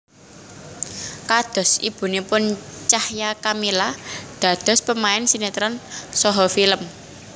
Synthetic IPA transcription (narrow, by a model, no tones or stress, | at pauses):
kad̪̥ɔ̤sib̥ṳnepʊnt͡ʃahjakamilad̪̥ä̤d̪̥ɔ̤spəmaɪnsinit̪ɾansɔɦɔfiləm